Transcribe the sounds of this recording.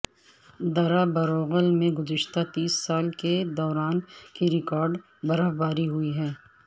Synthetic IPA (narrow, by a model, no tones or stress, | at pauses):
d̪ɐɾabɐɾoːɣəlmẽɡʊzɪʃt̪at̪iːsːaːlked̪ɔːɾaːnkiɾɪkaːɾɖ | bɐɾəɦbaːɾiɦʊiɦɛː